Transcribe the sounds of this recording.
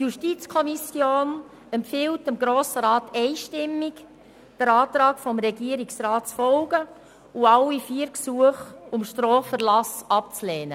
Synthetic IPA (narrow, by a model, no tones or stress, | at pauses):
tjuʃtiːt͡skʰɔmisjoːn | ɛmpfɪltɪmɡɾoːsəɾɑːtɛɪʃtɪmːik | d̥əɾɑːt̪ɾɑːkfɔmɾɛɡiəɾiksɾɑːtt͡sfɔlɡ̥ə | uɑwifiːɾksuəχʊmʃtɾɔːfəɾlɑsɑp̚t͡slɛːnə̰